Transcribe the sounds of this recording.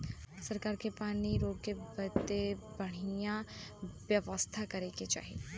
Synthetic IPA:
sɐɾkaːɾkepaːniɾoːɡ̚kebɐd̪ebɐɽ̤ijãʋjɐʋəst̪ʰakɐɾeɡet͡ʃa̰ːɦiḛ

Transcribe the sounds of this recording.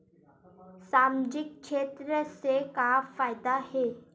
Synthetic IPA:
samd͡ʑik̚ʂet̪ɾəsekafajd̪ahe

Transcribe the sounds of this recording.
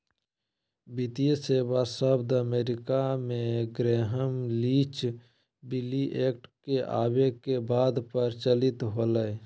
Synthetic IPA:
bit̪ijəseːbasəbd̪əmeːɾɪkamẽɡɾeːɦəmlit͡ʃ | bɪliʔeːk̚ʈkeʔa̰ːbekebaːd̪pəɾt͡ʃəlɪt̪ɦoːləe

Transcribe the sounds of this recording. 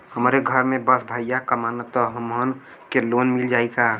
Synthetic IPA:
həmɾeɡʱəɾmẽbəsbʱajjakəmanət̪əɦəmɦən | kelonmild͡ʒaːika

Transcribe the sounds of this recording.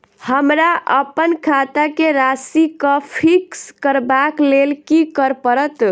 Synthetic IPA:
həmɾaʔə̰pənkʰat̪akeɾasikəpʰikskəɾbaklelkikəɾpəɾət̪

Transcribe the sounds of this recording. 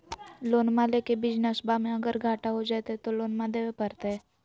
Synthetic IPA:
loːnmalekebɪd͡ʒnəsbamẽɐɡəɾɡʱaːʈaɦod͡ʒaːt̪eɦɛt̪oloːnmad̪ewepɐɾt̪eɦɛː

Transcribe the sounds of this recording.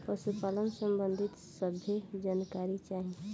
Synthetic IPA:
pəsupalənsəmbənd̪ʱit̪səbʱjed͡ʒankaɾit͡ʃaɦĩ

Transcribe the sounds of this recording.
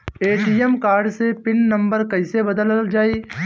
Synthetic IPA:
eːʈiːəmkaːɾɖsepɪnːə̃mbəɾkɐɪsebəd̪ələld͡ʒaːiː

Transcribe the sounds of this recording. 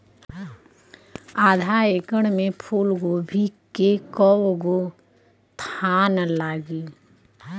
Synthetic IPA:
aːd̪ʱaeːkəɽ̃mẽpʰuːlɡobʱikekəwɡo | t̪ʰaːnlaːɡiː

